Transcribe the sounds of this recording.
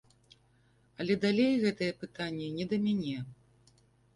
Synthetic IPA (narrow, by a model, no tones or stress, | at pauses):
ɐlʲɛd̪alʲejɣɛt̪ɐjɛpɨt̪anʲːɛnʲɛd̪ɐmʲanʲɛ